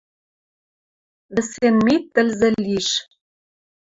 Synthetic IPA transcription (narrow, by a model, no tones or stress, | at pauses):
βɘ̆senmet̪ːɘ̆lzɘ̆lʲiʃ